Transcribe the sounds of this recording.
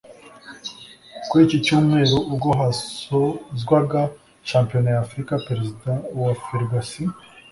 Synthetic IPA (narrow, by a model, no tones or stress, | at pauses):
kuicicuːmŋe̞ːɾoʔuɡoɦasozɡwaɡa | ʃaːmpionojaːfɾikapeɾezidawafiɾɡasi